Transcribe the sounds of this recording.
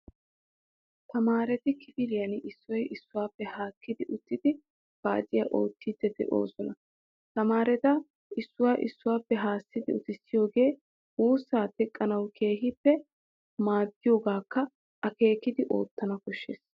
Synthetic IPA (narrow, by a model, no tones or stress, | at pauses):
t̪ɐmaːɾɛt̪ɪkʰɪpɪlɪjɐnʔɪsːɔjɪsːʊwaːpːɛhaːkːɪd̪ɪʔʊt̪ːɪd̪ɪ | b̥a̰ːt͡sʼɪjaʔo̰ːt̪ːid̪ɛd̪ɛ̰ʔo̰ːsɔnɐ | t̪ɐmaːɾɛt̪ɐ | ɪsːʊwaːʔɪsːʊwaːpːɛɦaːsːɪd̪ɪ̰ʊt̪ɪsːɪjo̞ːɡe̞ː | uːsːaːt̪ɛkʼːɐnɐwkʰe̞ːɦɪpːɛ | maːɡ̪ːɪjo̞ːɡaːkːɐ | ʔɐke̞ːkːɪd̪ɪʔo̞̰ːt̪ːɐnɐkɔʃːḛːs